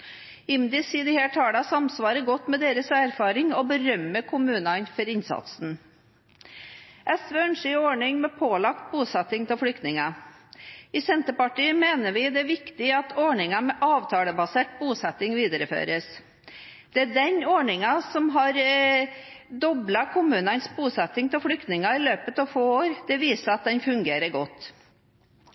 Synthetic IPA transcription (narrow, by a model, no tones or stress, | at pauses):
ɪmd̪ɪsɪd̪ɪheːʈhɑːɖɑsɑmsʋɑːɾəɡɔt̪ːmɛd̪eːɾəsæɾfɑːɾɪŋɔbəɾœmːəkʰʊmʉːnɑnfɔɾɪnsɑ̰t̪sn̩ | ʔɛsʋeːœnʂiɔɳɪŋmɛpʰoːlɑkt̪̚buːsɛt̪ːɪŋt̪ʰɪlflʏkt̪nɪŋɑ | ɪsɛnt̪əpɑʈiːəmeːnəʋɪd̪ɛæɾʋɪkt̪ɪɑt̪ʰɔɳɪŋɑmɛʔɑːʋt̪ʰɑːləbɑseːʈ̚buːsɛt̪ːɪŋʋiːd̪əɾəfø̰ːɾəs | d̪̥ɛæɖɛnɔɳɪŋɑsɔmɦɑɾ | d̪ɔblɑkʰʊmʉːnɑnsbuːsɛt̪ːɪŋt̪ʰɪlfɽʏkt̪nɪŋɑɪløːpət̪ɑːʋfoːoːɾd̪̥ɛʋiːsəɾɑt̪̚d̪ɛnfʉŋɡeːɾəɾɡɔt̪ː